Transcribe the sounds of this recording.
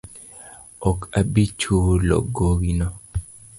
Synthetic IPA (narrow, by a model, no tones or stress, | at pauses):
ɔkabit͡ʃulɔ̰ɡoɡinɔ